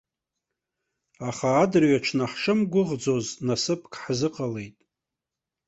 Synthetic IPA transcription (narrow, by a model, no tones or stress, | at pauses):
aχaːdrɥaʈ͡ʂʰnaħʂɨmɡʷʊʁd͡zoznasɨpʰkʰʼħzɨqʼale̞jtʼ